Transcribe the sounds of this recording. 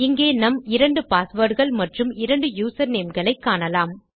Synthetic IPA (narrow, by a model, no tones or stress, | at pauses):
ɪŋɡeːnɐmɪɾɐɳɖɯpaːsʋɐɽɣɐɭmɐʈrɯmɪɾɐɳɖɯjuːsɐɾneːmɡɐɭɐɪkːaːɳɐlaːm